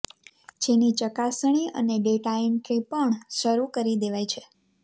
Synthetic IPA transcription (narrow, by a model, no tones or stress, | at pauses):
d͡ʒenit͡ʃəkasɳ̃iə̰neɖeʈainʈɾipəɳʃəɾukəɾid̪eʋajt͡ʃʰe